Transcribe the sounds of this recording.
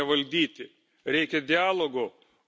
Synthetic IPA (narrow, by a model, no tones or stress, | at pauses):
ɛʋɐlʲd̪ʲiːt̪ʲɪ | ɾʲɛɪkʲɛd̪ʲɪaːlˠoːɡo